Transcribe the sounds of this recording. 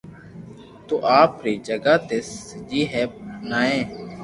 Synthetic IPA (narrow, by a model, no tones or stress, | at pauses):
t̪oːʔaːpɾiːd͡ʒəɡaːt̪eːsd͡ʒiːɦɛːpnaːẽː